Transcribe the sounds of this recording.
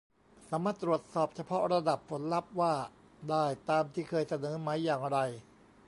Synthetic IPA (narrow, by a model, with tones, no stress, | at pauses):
saː˩˦maː˥˩t̪ːɾu˨˩ət̪̚sɔː˨˩p̚t͡ɕʰa˧pʰɔ˦˥ɾa˧da˨˩pʰːo˩˦nla˦˥p̚waː˥˩ | daː˥˩jt̪aː˧mt̪ʰiː˥˩kʰɤː˧jsa˧nɤː˩˦ma˦˥jːaː˨˩ŋɾa˧j